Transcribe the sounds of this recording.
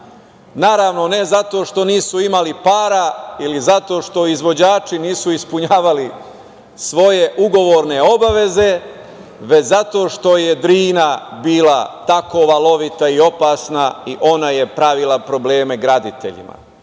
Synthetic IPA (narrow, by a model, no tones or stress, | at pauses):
naːɾaːʋno̞ne̞zat̪o̞ːʃt̪o̞niːsuimalipaːɾailizat̪o̞ːʃt̪o̞izʋo̞d͡ʑaːt͡ʃiniːsuispuɲaːʋali | sʋo̞je̞ʔuɡo̞ʋo̞ːɾne̞o̞baʋe̞ze̞ | ʋe̞t͡ɕzat̪o̞ːʃt̪o̞je̞d̪ɾiːnabiːlat̪ako̞ʋalˠo̞ʋit̪aio̞paːsnaiʔo̞naje̞pɾaʋilˠapɾo̞ble̞ːmeɡɾad̪it̪ḛʎḭma̰